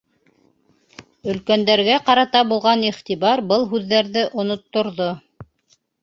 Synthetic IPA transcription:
ɵ̆lkænd̪æɾɡæqɑɾɑt̪ɑbulˠʁɑniχt̪iβɑɾbɤlˠɦʉðːæɾðɘʔŏnŏt̪ːŏɾðo

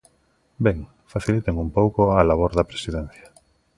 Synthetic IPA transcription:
beŋ | faθilit̪eŋumpowkoalaβ̞oɾðɐpɾesiðɛn̟θjḁ

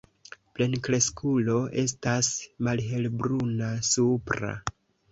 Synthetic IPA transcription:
ple̞nkɾe̞skʰulo̞ʔe̞s̬tasmalɦe̞lbɾunasupɾa̰

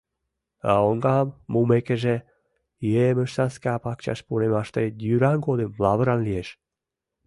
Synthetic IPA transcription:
ɑoŋɡɑmːumekeʒe | jeməʃsɑnskapɑkt͡ɕɑ̰ʃpunemɑʃt̪ed̪yɾɑŋɡod̪emlɑβəɾɑnlijeʃ

